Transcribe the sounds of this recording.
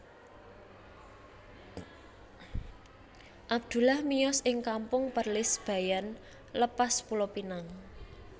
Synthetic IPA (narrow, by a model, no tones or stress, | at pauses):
ʔab̚d̪̥ṳlahmijɔsʔɪŋkampʊŋpərlɪsb̥ä̤jan | ləpaspulopinaŋ